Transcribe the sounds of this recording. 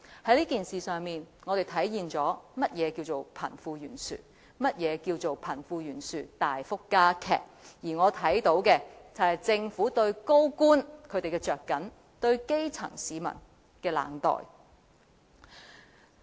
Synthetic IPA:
hɐ˨˥jliː˥kiː˨nsiː˨˩sœː˨ŋmiː˨nŋɔː˨˧ɾe˨jt̪ʰɐ˨˥jjiː˨nt͡sɔː˨˥mɐ˥t̚jɛː˨˧kiː˧wt͡so˨˩wpʰɐ̰˨˩nfuː˧jyː˨˩nsy̰ː˨˩ | mɐ˥t̚jɛː˨˧kiː˧wt͡so˨wpʰɐ˨˩nfuː˧jyː˨˩nsyː˨t̪aː˨jfʊ˥kːaː˥kʰɛ̰ː˨k̚jiː˨˩ŋɔː˨˧t̪ʰɐ˨˥jt̪o˨˥wkɛ˧t͡sɐ˨whɐ˨jt͡sɪ˧ŋfuː˨˥t̪ɵ˧ɥko˥wkuː˥nkʰɵ˨˧ɥt̪e˨jkɛː˧t͡ʃœː˨kːɐ˨˥n | t̪ɵ˧ɥke˥jt͡sʰɐ̰˨˩ŋsiː˨˧mɐ̰˨˩n | kɛː˧la̰ː˨ŋt̪ɔ̰ː˨j

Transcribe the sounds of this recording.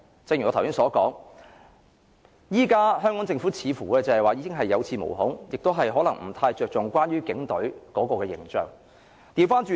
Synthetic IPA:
t͡sŋjy˨˩ɔ˨˧t̪ʰwsi˥sɔː˨˥kɔː˨˥ŋ | jiː˥kaː˥ɦœː˥ŋkɔː˨˥ŋt͡sɪ˧ŋfu˨˥t͡sʰiː˨˧fuː˨˩kɛː˧t͡sɐ˨˧hɐ˨jwaː˨˧ji˨˧kɪ˥ŋɦɐ˨jːɐ˨˧wt͡sʰiː˨˧mo̰˨˩wɦʊ˨˥ŋjɪ˨k̚t̪wɦɐ˨jɦɔː˨˥lɐ˨˩ŋm̩˨˩t̪ʰaː˧jt͡ʃœː˨k̚t͡sʊ˨ŋkʷwaː˥nɥyː˥kɪ˨˥ŋt̪ɵ˨˥ɥkɔː˨˥kɔː˧kɛː˧jɪ̰˨˩ŋt͡ʃœ̰ː˨ŋ | t̪iː˨˧wfaː˥nt͡ʃyː˨

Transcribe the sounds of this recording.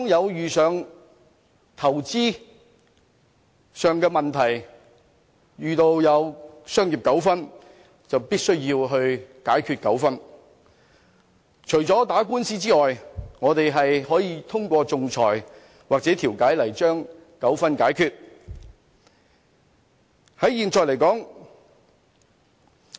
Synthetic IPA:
ŋjɐ˨˧wjyː˨sœː˨˧ŋ | t̪ʰɐ˨˩wt͡siː˥ | sœː˨ŋkɛː˧mɐ˨nt̪ʰɐ˨˩j | jyː˨t̪o˧wjɐ˨˧wsœː˥ŋjiː˨˩p̚kɐ˨˥wfɐ˥n | t͡sɐ˨wpiː˥t̚sɵ˥ɥjiː˧wɦɵ˧ɥkaː˨˥jkʰyː˧t̚kɐ˨˥wfɐ˥n | t͡ʃʰɵ˨˩ɥt͡sɔː˨˥t̪aː˨˥kuː˥nsiː˥t͡siː˥ŋɔː˨jŋɔː˨˧t̪e˨jɦɐ˨jɦɔː˨˥jiː˨˧t̪ʰʊ˥ŋkʷɔː˧t͡sʊ˨ŋt͡sʰɔ̰ː˨˩j | waː˨k̚t͡sɛː˨˥t̪ʰiː˨˩wkaː˨˥jlɐ˨˩jt͡ʃœː˥ŋ | kɐ˨˥wfɐ˥nkaː˨˥jkʰyː˧t̚ | hɐ˨˥jiː˨nt͡sɔː˨˩jlɐ˨˩jkɔː˨˥ŋ

